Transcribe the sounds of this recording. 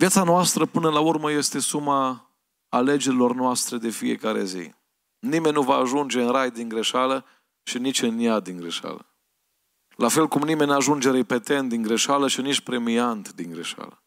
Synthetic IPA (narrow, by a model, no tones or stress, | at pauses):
vijat̪sanoast̪ɾəpɨnəlaurməje̞st̪e̞sumaː | le̞d͡ʒe̞ɾilo̞rnoast̪ɾe̞d̪e̞fije̞̰kaɾe̞̰zḭ | nime̞nʲnuvaːʒund͡ʒe̞ɨnɾajd̪iŋɡɾe̞ʃalə | ʃinit͡ʃʲɨnːjad̪iŋɡɾe̞ʃa̰lə̰ | lafe̞lkumnime̞nʲnaʒund͡ʒe̞ɾepe̞t̪e̞nt̪̚d̪iŋɡɾe̞ʃaləʃinit͡ʃʲpɾe̞miant̪d̪iŋɡɾe̞ʃa̰lə